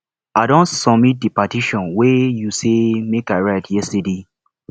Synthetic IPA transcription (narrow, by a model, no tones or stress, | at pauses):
aɪdɔ̃nsɔmit̚dipatiʃɔ̃nwejusemekaɪɹatjɛstede